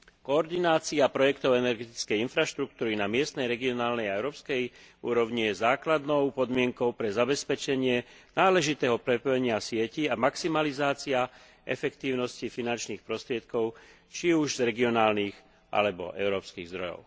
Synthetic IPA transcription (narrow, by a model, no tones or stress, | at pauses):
kɔɔɾd̪inaːt͡siapɾɔjɛkt̪ɔʊɛnɛɾɡɛt̪i̥t͡skɛjinfɾaʃt̪ɾuk̚t̪uːɾinamɪɛst̪nɛjɾɛɡiɔnaːlnɛjaɛʊɾɔːpskɛjṵːɾɔʊɲijɛzaːklad̪nɔʊpɔd̪mɪɛŋkɔʊpɾɛzabɛspɛt͡ʃɛɲɪɛ | naːlɛʒit̪ɛːɦɔpɾɛpɔjɛɲɪasɪɛciamaksimalizaːt͡sia | ɛ̰fɛkt̪iːʊnɔscifinant͡ʃniːxpɾɔst̪ɾɪɛt̪̚kɔʊ | t͡ʃiuʒzɾɛɡiɔnaːlniːɣ | ʔa̰lɛbɔ̰ʔɛ̰ʊɾɔːpskiːɣzd̪ɾɔjɔ̰ʊ